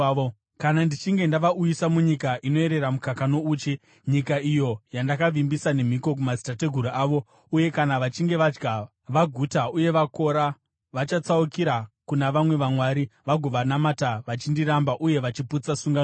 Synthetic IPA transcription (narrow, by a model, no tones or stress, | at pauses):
kanandit͡ʃiŋɡe̞ndaʋaʔujisamuɲikaʔino̞e̞ɾe̞ɾamukakanouːt͡ʃi | ɲikaijo̞jandakaʋimbisane̞m̤iko̞k̬umazitate̞ɡʱuɾuʔaːʋo̞ | uje̞kanaʋat͡ʃiŋɡe̞ʋad͡ʒɡa | ʋaɡʱutauje̞ʋako̞ɾa | ʋat͡ʃat͡saukiɾakunaʋamwe̞ʋamwaɾiʋaɡʱo̞ʋanamataʋat͡ʃindiɾambaʔuje̞ʋat͡ʃiput͡sasuŋɡan